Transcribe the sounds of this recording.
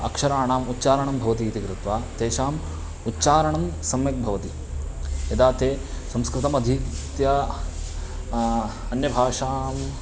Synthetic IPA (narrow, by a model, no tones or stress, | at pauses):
ɐ̰kʂɐɾaːɳaːmut̪ːt͡ʃaːɾɐɳɐmbʱɐʋɐt̪iːt̪ikɾut̪ʋaːt̪eːʃaːm | utːt͡ʃaːɾɐɳɐmsɐmjɐk̚bʱɐʋɐt̪i | jɐd̪aːt̪eːsɐmskɾɪt̪ɐmɐd̪ʱit̪jɐ | ɐnjɐbʱaːʂaːm